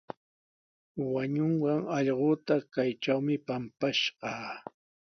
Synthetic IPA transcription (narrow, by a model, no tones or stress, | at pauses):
waɲoɴɢɑŋɑʎɢoːt̪akajʈ͡ʂawmɪpampaʃɢɑː